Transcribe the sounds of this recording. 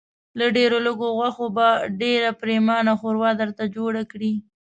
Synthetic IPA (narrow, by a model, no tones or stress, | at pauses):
laɖeɾoləɡoɣwaxobaɖeɾapɾemɑnaxoɾwɑd̪əɾt̪ad͡ʒoɽakɽi